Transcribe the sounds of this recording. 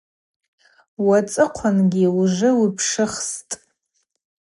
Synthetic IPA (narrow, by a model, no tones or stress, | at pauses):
wat͡sʼɨqʷʰanɡʲiwʐɨwipʰʂɨχstʼ